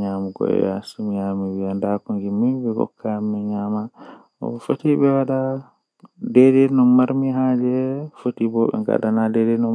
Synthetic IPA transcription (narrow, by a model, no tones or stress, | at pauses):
ɲamuɡɔ̰ɛ̰ja̰sumijamiwiandakund͡ʒimibɛɡɔ̰kʰːamːɛɲama | ɔ̰fotiɓɛwaɗa | dɛdɛnɔmaɾmiɦad͡ʒɛfotibɔɓɛ̰ŋɡa̰ɗanadɛdɛnɔ